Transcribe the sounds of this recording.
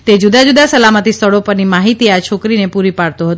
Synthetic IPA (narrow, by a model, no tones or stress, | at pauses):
t̪ed͡ʒud̪ad͡ʒud̪asəlamət̪ist̪ʰəɭopəɾnimaɦit̪iat͡ʃʰokɾinepuɾipaɽt̪oɦət̪